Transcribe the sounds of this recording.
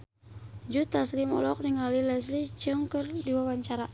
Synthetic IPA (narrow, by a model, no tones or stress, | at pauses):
d͡ʒut̪aslimɔ̰lɔk̚niŋalilɛs̬lit͡ʃəŋkərdiwawaɲt͡ʃaɾa